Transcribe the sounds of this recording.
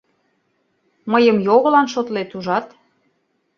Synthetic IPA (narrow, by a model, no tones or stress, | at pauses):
məjəmjoɣə̆lɑnʃot̪let̪uʒɑt̪